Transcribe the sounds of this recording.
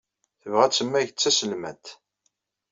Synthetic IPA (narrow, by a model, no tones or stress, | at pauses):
θəvʁæt͡sːəmːæʝət͡sːæsəlmæt̪